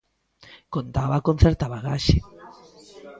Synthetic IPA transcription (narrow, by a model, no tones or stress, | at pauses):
kont̪aβakon̟θɛɾt̪aβaɣaʃe